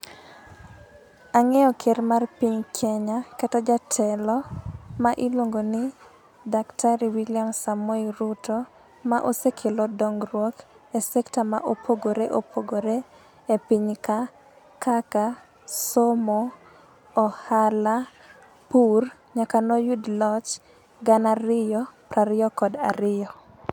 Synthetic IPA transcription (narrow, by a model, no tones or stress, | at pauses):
aŋɛɔkʰermarpiɲkʰɛɲakatɔd͡ʒatʰɛlɔmaʔilwoŋɡonɪ | daktʰaɾiwiljamsamoiɾutɔ | maʔosekʰelɔdɔŋɾwɔk | esɛktama̰ʔopʰoɡoɾeʔopʰoɡoɾe | epiɲka | kaka | somɔː | hala | pur | ɲakanɔjudlɔt͡ʃ | ɡanaɾɪjɔpɾaɾɪjɔkɔda̰ɾɪjɔ